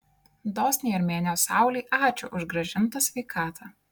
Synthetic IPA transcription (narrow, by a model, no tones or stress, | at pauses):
d̪ɔːsʲnʲejɪɾmʲeːnʲoːsɑˑʊlʲiːʔɑːt͡ʃʲʊʔʊʒɡɾɐʒʲɪnt̪ɐsʲʋʲɛɪkʰɑːt̪ʰɑ